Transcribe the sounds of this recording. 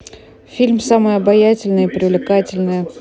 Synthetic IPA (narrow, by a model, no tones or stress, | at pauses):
fʲilʲmsaməjəɐbɐjatʲɪlʲnɨjɪpɾʲɪvlʲɪkatʲɪlʲnɨjə